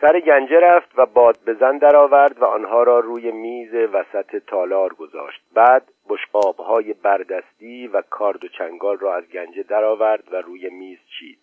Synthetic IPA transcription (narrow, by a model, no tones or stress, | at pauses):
sæɾeɟænd͡ʒeɾæft̪væbɒːd̪̚be̞zænd̪æɾɒːvæɾd̪væɒːnɦɒːɾɒːruːje̞miːze̞væsæt̪ʰe̞t̪ʰɒːlɒːɾɡo̞zɒ̰ːʃt̪̚bæːd̪ | boʃqɒːbhɒːje̞bæɾd̪æst̪iːvækʰɒːɾd̪o̞t͡ʃʰæŋɡɒːlrɒːæzɟænd͡ʒe̞d̪æɾɒːvæɾd̪væɾuːje̞miːz̥t͡ʃʰḭːd̪̥̚